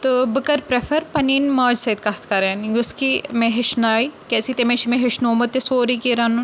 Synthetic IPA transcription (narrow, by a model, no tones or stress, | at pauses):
t̪ɨbɨkɐɾpɾefɐɾpɐniːnmɐːd͡ʒsɐit̪̚kɐt̪ʰkɐɾeːnɡuskimẽɦɪʃnaːikɛːsit̪emẽʃmẽɦɪʃnoːmɐt̪ːesoːɾikiɾaːnu